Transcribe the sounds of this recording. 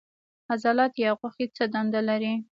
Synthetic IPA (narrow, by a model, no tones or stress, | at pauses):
hazɑlat̪jɑɣwaxit͡səd̪and̪alaɾi